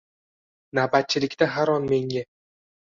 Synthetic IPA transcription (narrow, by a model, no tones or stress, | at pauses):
nabat̪̚t͡ʃʰɪlɪkʲt̪aɦaɾɒnme̞ŋɡʲa